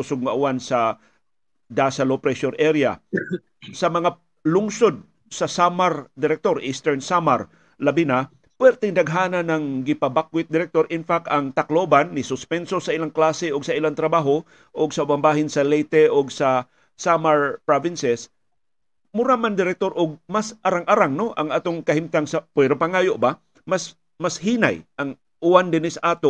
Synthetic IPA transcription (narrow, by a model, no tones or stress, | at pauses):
ʊsoɡ̚ŋɐʔʊwansɐ | d̪asɐlopɾɛʃoɾʔɛɾɪa̰ | sɐmɐŋa | lʊŋsod̪̚ | sɐsamaɾd̪ɪɾɛk̚t̪o̞ɾʔist̪ɛɹnsamaɾ | lɐbɪna | pwɛɾt̪ɛŋd̪ɐɡ̚ɦaːnɐnɐŋɡɪpɐbakwɪt̪̚d̪ɪɾɛk̚t̪o̞ɾʔɪnfak̚t̪ɐŋt̪ɐklobanːɪsʊspɛnso̞sɐʔɪlaŋklaːsɛʔoɡsɐʔɪlant̪ɾɐbaːɦo̞ | ʔoɡsɐʊbanbaːɦɪnsɐlɛjt̪ɛʔoɡsɐ | samaɹpɹavɪnsɛs | mʊɾamand̪ɪɾɛk̚t̪o̞ɾʔʊɡ̚masʔaɾaŋʔaɾaŋno̞ʔɐŋʔaːt̪oŋkɐhɪmt̪aŋsɐpwɛɾopaŋaːjoʔba | mas | mashiːna̰jʔɐŋ | ʔʊwand̪ɪnɪsɐʔaːt̪o